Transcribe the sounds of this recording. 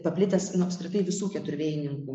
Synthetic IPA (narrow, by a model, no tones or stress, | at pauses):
pɐpʲlʲɪt̪ʲɛsnʊɐpʲskɾʲɪt̪ɐɪʋʲɪsuːkʲɛt̪ʊɾʲʋʲeːjɪnʲɪŋkuː